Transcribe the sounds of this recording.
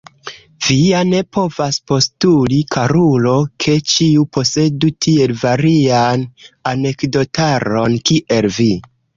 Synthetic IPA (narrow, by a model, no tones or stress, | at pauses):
viane̞po̞vaspo̞stulikʰaɾulo̞kʰe̞t͡ʃiupo̞se̞dutʰie̞lvaɾianane̞kdo̞taɾo̞nkiʔe̞lvi